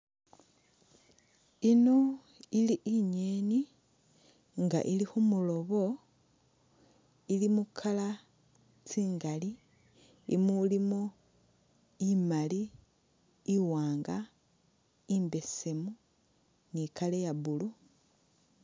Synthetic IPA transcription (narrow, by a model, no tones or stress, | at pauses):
ino̞ | iliʔiɲeni | ŋɡa̰ʔilixumulo̞βo̞ | ilimukʰala | t͡siːŋɡaliː | mulimo | imali | iwaːŋɡa | imbe̞se̞mu | nikalejaβulu